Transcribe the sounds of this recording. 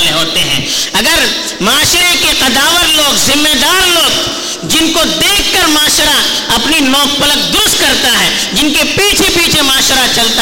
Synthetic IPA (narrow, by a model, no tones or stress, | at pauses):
leɦoːt̪eɦɛ̰̃ː | ɐɡəɾ | maːʃɾekeqɐd̪aːʋəɾloːɡzɪmːeːd̪aːɾloːɡ | d͡ʒɪnkod̪eːkʰːəɾmaːʃɾa | ɐpninɔːk̚pələk̚d̪ʊɾʊst̪̚kɐɾt̪aɦɛ | d͡ʒɪnkepiːt͡ʃʰepiːt͡ʃʰemaːʃɾat͡ʃɐlt̪a